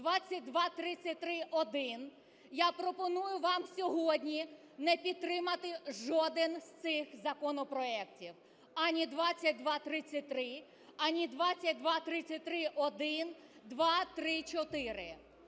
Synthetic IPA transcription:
d̪ʋɑt͡sʲːɐt̚ʲd̪ʋɑt̪ɾɪt͡sʲɐt̚ʲt̪ɾɪʔɔd̪ɪn | japɾɔpɔnujʊʋɑmsʲɔɦɔdʲnʲi | nɛpʲit̪̚t̪ːɾɪmɐt̪ɪʒɔd̪ɪnst̪sɪxzɐkɔnɔpɾɔɛktʲiw | ɐnʲid̪ʋɑt͡sʲːɐt̚ʲd̪ʋɑt̪ɾɪt͡sʲːɐt̚ʲt̪ɾɪ | ɐnʲid̪ʋɑt͡sʲɐt̚ʲd̪ʋɑt̪ɾɪt͡sʲːɐt̚ʲt̪ɾɪʔɔd̪ɪnd̪ʋɑt̪ɾɪt͡ʃɔt̪ɪɾɪ

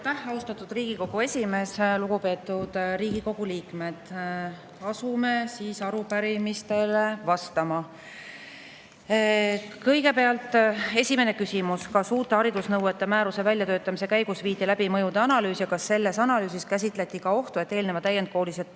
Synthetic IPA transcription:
t̪ːæhɑust̪ɑt̪ːˑud̪̥riːɡ̥iko̞ɡ̥ue̞sʲime̞sluɡ̥upe̞ːt̪ːˑud̪̥riːɡ̥iko̞ɡ̥uliːkme̞d̪̥ | ɑsume̞siːsɑɾupæɾimist̪e̞levɑst̪ɑmɑ | kɤjɡe̞pe̞ɑlt̪ˑe̞sʲime̞ne̞kysimuskɑsuːt̪ːˑeɑɾid̪usnɤwe̞t̪ːˑemæːɾuse̞vælʲjɑt̪øːt̪ːˑɑmise̞kæjɡ̥usviːd̪ilæb̥imɤjud̪eɑnɑlyːsjɑkɑsːe̞lːe̞sɑnɑlyːsiskæs̬ʲit̪ˑle̞t̪ʲːˑikɑo̞ht̪ue̞t̪ːˑe̞ːlnevɑt̪æjend̪̥̚ko̞ːliset̪

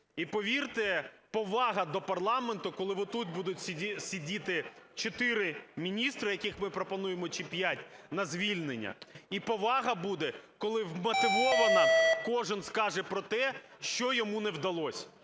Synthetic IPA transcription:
ipɔʋʲirt̪ɪ | pɔʋɑɦɐd̪ɔpɐrlˠɑment̪ʊkɔlˠɪʋɔt̪ut̪̚ʲbud̪ʊtʲsʲsʲidʲit̪ɪt͡ʃɔt̪ɪɾɪmʲinʲist̪ɾɪjɐkɪxmɪpɾɔpɔnujemɔt͡ʃipʲjatʲnɐzʲʋʲilʲnenʲːɐ̰ipɔʋɑɦɐbud̪ɛkɔlˠɪʋmɐt̪ɪʋɔʋɐnɐkɔʒɪnskɑʒɛpɾɔt̪ɛ | ʃt͡ʃɔjɔmunɛwd̪ɐlˠɔsʲɐ

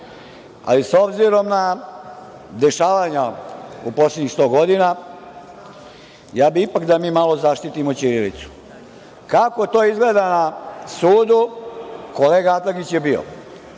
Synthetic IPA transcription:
a̰liso̞bziɾomna | d̪e̞ʃaːʋaɲaupo̞sleɲist̪o̞ːɡo̞d̪ina | jaːbiipakd̪amiːmalo̞zaʃt̪it̪imo̞t͡ʃiɾelḭt̪su̥ | kako̞t̪o̞izɡleːd̪anasuːd̪uko̞le̞ːɡaat̪laɡit͡ɕjebio̰

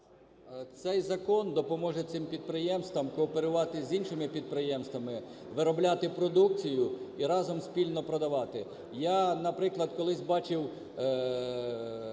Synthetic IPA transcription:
t̪sɛjzɐkɔnd̪ɔpɔmɔʒɛt̪sɪmpʲid̪̚pɾɪjɛmst̪ʋɐmkɔːpeɾʊʋɑt̪ɪzʲinʃɪmɪpʲid̪̚pɾɪjɛmst̪ʋɐmɪ | ʋɪɾɔblʲat̪ɪpɾɔd̪uk̚t͡sʲijʊiɾɑzɔmspʲilʲnɔpɾɔd̪ɐʋɑt̪ɪ | janɐpɾɪklˠɐd̪kɔlˠɪsʲbɑt͡ʃɪw

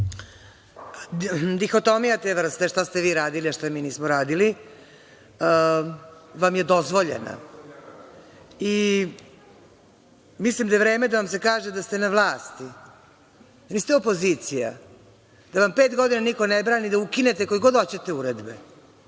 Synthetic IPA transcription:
d̪ixot̪omijat̪eʋr̩st̪eʃt̪ast̪eʋiːɾaːd̪iliaʃt̪omiːniːsmoɾaːd̪ili | ʋamjed̪o̞zʋo̞ʎḛna̰ | i | mislimd̪ajeɾe̞ːmed̪aʋamse̞kaːʒed̪ast̪enaʋlˠaːst̪i | nist̪eo̞pozit̪sija̰ | d̪̥aʋampeːt̪ɡo̞d̪inanikonebɾaːnid̪aukine̞t̪eko̞jɡo̞d̪ot͡ɕet̪euɾed̪be

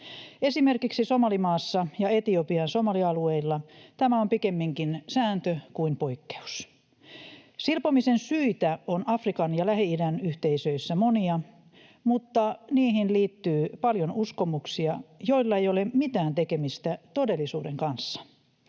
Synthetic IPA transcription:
e̞simerkiksisomɑlimɑːsːɑjɑet̪iopiɑnsomɑliɑlueilːɑt̪æmæompikemːiŋkinsæːnt̪økuimpoikːe̥u̥s | silpomisensyit̪æonʔɑfrikɑnjɑlæhiidænyht̪eisøisːæmoniɑ | mut̪ːɑniːɦinliːt̪ːyːpɑljonuskomuksiɑjoilːɑejolemit̪æːnt̪ekemist̪æt̪o̞delːˑisuːdeŋkɑnsːɑ̥

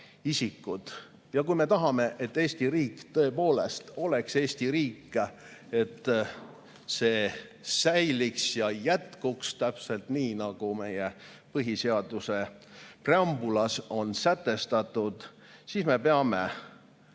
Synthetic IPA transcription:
isikːˑut̪ | jɑkujme̞t̪ɑɦɑme̞ʔe̞t̪ːe̞ːst̪iɾiːkt̪ɤ̞e̞po̞ːle̞̰st̪o̞le̞kse̞ːst̪iɾiːkːˑe | e̞t̪ː | se̞ːsæjliksjɑjæt̪kukst̪æpse̞lt̪niːnɑɡ̥ume̞̰je | pɤɦise̞ɑd̪̥use̞preɑmbulɑso̞nsæt̪ːe̞st̪ɑt̪ˑːud̪̥ | sisme̞peɑme

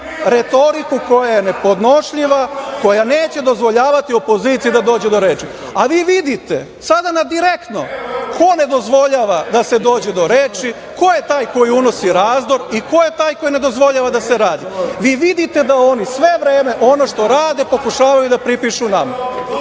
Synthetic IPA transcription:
ɾe̞t̪o̞ɾikuko̞jaje̞ne̞po̞d̪no̞ʃʎiʋako̞jane̞ːt͡ɕe̞d̪o̞zʋo̞ʎaːʋat̪io̞po̞ziːt̪sijid̪ad̪o̞ːd͡ʑe̞d̪o̞ɾeːt͡ʃi | aʋiːʋid̪it̪ḛ | sad̪anad̪iɾe̞kt̪no̞̰kʰo̞ne̞d̪o̞zʋo̞ʎaːʋad̪ase̞d̪o̞ːd͡ʑe̞d̪o̞ɾe̞ːt͡ʃi | ko̞jet̪aːjko̞jiuno̞siɾaːzd̪o̞ɾiko̞je̞t̪aːjko̞jine̞d̪o̞zʋo̞ʎaːʋad̪ase̞ɾaːd̪iʋiːʋid̪it̪e̞d̪ao̞nisʋe̞ʋɾeːme̞ʔo̞no̞ʃt̪o̞ɾaːd̪e̞po̞kuʃaːʋajud̪apɾipiʃunama

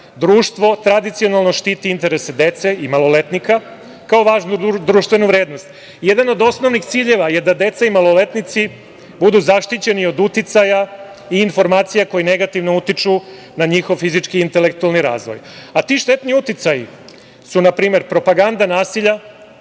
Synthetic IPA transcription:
d̪ɾuːʃt̪ʋo̞t̪ɾad̪it̪sio̞nalˠno̞ʃt̪iːt̪iint̪e̞ɾesed̪e̞t̪se̞imalˠo̞let̪nika | kaoʋaːʒnud̪ɾuːʃt̪ʋe̞nuʋɾeːd̪nost̪ | je̞d̪ano̞d̪o̞sno̞ʋnixt̪siːʎe̞ʋaje̞d̪ad̪e̞t̪saimalˠo̞le̞t̪nit̪si | bud̪uzaʃt̪it͡ɕe̞nio̞d̪ut̪it̪saja | iːnfo̞ɾmaːt̪sijako̞jine̞ɡat̪iʋno̞ut̪it͡ʃu | naɲixo̞ʋfizit͡ʃkiːnt̪elek̚t̪ualniɾa̰ːzʋo̰jat̪iːʃt̪e̞t̪niut̪it̪sajḭ | sunapɾiːme̞ɾpɾo̞paɡand̪anaːsiʎa

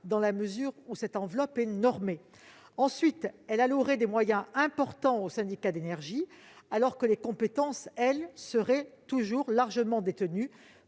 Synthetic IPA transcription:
d̪ɑ̃laməzyʁusɛt̪ɑ̃vlɔpɛnɔʁme | ɑ̃sɥit̪ɛlaluʁɛd̪emwajɛ̃ɛ̃pɔʁt̪ɑ̃osɛ̃d̪ikad̪enɛʁʒi | alɔʁkəlekɔ̃pet̪ɑ̃sɛlsəʁɛt̪uʒuʁlaʁʒəmɑ̃d̪et̪əny

